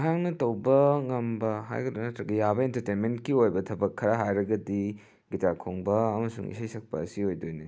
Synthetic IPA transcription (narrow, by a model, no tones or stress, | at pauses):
jaŋnɐtɐwbɐŋɐmbɐɦa̰jɡɐdonɐtɾɐɡɐjabɐentɐɾtenmentkiojbɐtʰɐbɐkʰːɐɾɐɦajɾɐɡɐdi | ɡitakʰoŋbɐːmɐsuŋḭsajsɐk̚pɐ̰ːsiojdojni